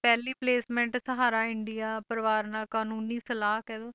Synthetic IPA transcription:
pɛːliːpleːsmɛ̃ɳʈsəɦaːɾaːɪɳɖɪjaːpəɾʋaːɾnaːlkaːnuːniːsəlaːkɛːd̪oː

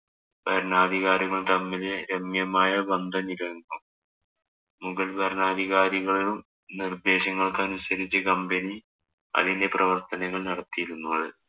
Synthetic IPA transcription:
bɐɾnaːd̪ʱiɣaːɾiɣɐɭt̪ɐmːilɾemjɐmaːjɐbɐnd̪ʱɐniɾɐŋɡum | muɣɐlbʱɐɾnaːd̪ʱiɣaːɾiɣɐɭilum | nird̪e̞ːɕɐŋːɐɭkɐnusɐɾit͡ɕːɨkɐmbeni | ɐ̰ðinde̞prɐʋɐrt̪ɐnɐŋːɐɭnɐɽɐt̪ːijiɾunːuːɭɨ

